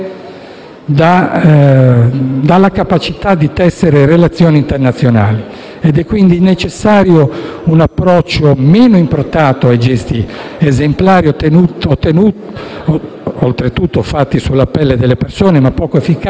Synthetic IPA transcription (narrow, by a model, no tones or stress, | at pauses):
d̪a | d̪alːakapat͡ʃit̪ad̪it̪ɛsːeɾeɾelat̪sːjoːnint̪ernat̪sːjonaːli | ɛd̪ɛkːwind̪inet͡ʃesːaːɾjounapːɾɔt͡ʃːomɛːnoimpɾot̪ːaːt̪oajd͡ʒɛst̪iezemplaːɾionuot̪ːenu | olt̪ɾet̪ut̪ːofat̪ːisulːapɛlːed̪elːepersoːnemapːɔːkoefik